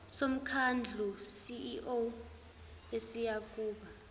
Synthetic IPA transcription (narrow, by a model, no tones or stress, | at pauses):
som̩kʰand͡ɮʱusiʔo | esijakʼuːɓa